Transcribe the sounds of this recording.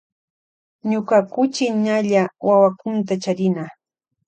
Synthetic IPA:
ɲokakʊt͡ʃɪnaʎawawakʊnt̪at͡ʃaɾɪna

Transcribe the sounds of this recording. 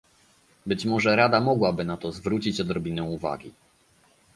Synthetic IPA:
bɘt͡ɕmɔʐɛɾad̪amɔɡwabɘnat̪ɔzvɾut͡ɕit͡ɕɔd̪ɾɔbʲinɛ̃uva̰ɡʲi

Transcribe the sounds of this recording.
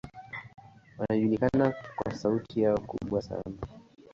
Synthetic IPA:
wanaʄulikanakwa̰sautʰijaɔkṵɓwasa̰na

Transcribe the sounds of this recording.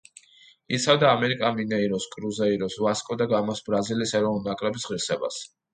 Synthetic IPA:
it̪sʰɛvd̪aːmɛɾikʼaminɛiɾɔskʼɾuzɛiɾɔsvaskʼɔd̪aɡamɔsbɾazilisɛɾɔvnulˠnakʼɾɛbisʁiɾsɛba̰s

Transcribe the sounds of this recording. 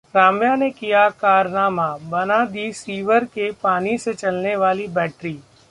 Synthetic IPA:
ɾaːmjanekijakaːɾnaːmabɐnad̪iːsiːʋəɾkepaːniset͡ʃɐlneʋaːlibɛːʈɾiː

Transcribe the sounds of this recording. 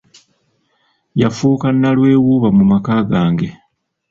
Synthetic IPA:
jafuːkanːalwe̞ːwuːβamumakaːɡaːŋɡe̞

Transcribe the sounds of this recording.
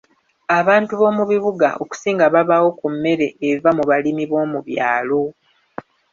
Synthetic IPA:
aβaːntuβo̞ːmuβiβuɡa̰ʔoku̥siːŋɡaβaβawo̞kumːe̞ɾe̞ːvamuβalimiβo̞ːmuβja̰ːlo̞

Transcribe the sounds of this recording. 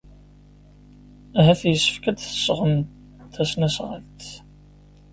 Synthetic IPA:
æɦæθjəsːə̥fkæd̪θə̥sʁən | t̪æsnæsʁə̰lt̪

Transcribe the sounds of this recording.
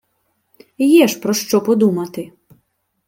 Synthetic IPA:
jɛʃpɾɔʃt͡ʃɔpɔd̪umɐt̪ɪ

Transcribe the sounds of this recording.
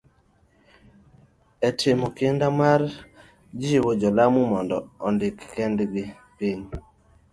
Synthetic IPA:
ɛtʰɪmɔkɪndamar | d͡ʒɪwod͡ʒɔlamumɔndɔɔndɪkːɛndɡɪ | piɲ

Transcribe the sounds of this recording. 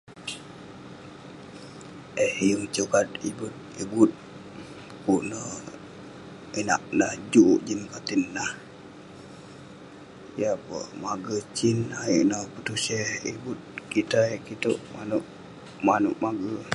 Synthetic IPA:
ʔehjuŋt͡ʃukat̪̚ibut̪̚ibut̪̚ | kuʔnə | ina̰ʔnahd͡ʒuʔʔd͡ʒinkat̪inːah | japə̰maɡət͡ʃinaḭʔnəpət̪useibut̪̚kit̪aekit̪uʔmanuʔ | manuʔmaɡə

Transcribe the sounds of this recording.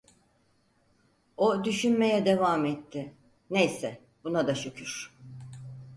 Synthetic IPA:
od̪yʃynme̞jɛd̪e̞vaːmɛt̪ʰːɪ | ne̞jsɛ | b̥unad̪at͡ʃʰokʰyɾ̥

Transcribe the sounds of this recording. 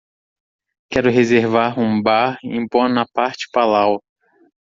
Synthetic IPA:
kɛɾʊɦezeɾvaɾũbaɾḭ̃põnɐpaɾt͡ʃɪ̥palaw

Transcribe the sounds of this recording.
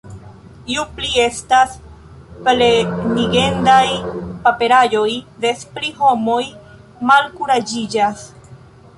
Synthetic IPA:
iuplie̞stas | pleniɡe̞ndajpape̞ɾajo̞jde̞spɾiɦo̞mo̞j | malkuɾad͡ʒid͡ʒas

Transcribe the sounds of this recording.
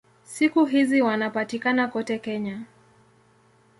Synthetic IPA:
sikuɦiziwanapatikanakɔtɛkɛɲa

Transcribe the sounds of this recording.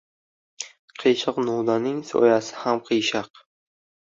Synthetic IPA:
qʰɨjʃɑqnud̪anɪŋso̰jasɪ̥hamqʰɨjʃɑq

